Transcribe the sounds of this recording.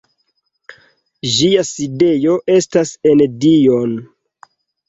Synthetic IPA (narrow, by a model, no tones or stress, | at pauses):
ʒiaside̞jo̞ʔe̞stasendion